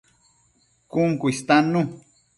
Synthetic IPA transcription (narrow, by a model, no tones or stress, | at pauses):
kʊŋkʊist̪anʊ